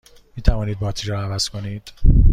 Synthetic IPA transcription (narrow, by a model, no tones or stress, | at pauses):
miːt̪ʰævɒːniːd̪̚bɒːt̪ʰiːɾɔːævæz̥kʰo̞niːd̪̥